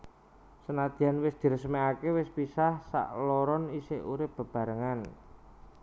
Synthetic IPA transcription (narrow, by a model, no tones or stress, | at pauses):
sənad̪̥i̤anwɪsd̪̥i̤ɾəsəmeakewɪspisahsa̰ʔlɔɾɔniseuɾɪp̚b̥ə̤b̥a̤ɾəŋan